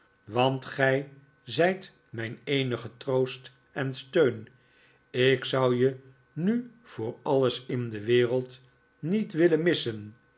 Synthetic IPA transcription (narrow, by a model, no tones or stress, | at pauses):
ʋɑntχɛj | zɛjt | mɛjnejnəχətrowst | ɛnstøɥn | ɪksʌwjə | ny | v̥ʊːɹɑləsɪndəʋɪːrəlˠt | nitʋɪlənmɪsən